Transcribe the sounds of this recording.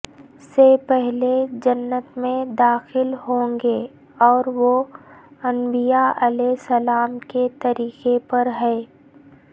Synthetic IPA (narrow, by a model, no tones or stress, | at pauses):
sepɛɦled͡ʒɐnːət̪mẽd̪aːxɪlɦõːŋɡe | ɔːɾʋo | ɐ̃mbijaɐlɛeɦsəlaːmket̪ɐɾiːqepɐɾɦɛː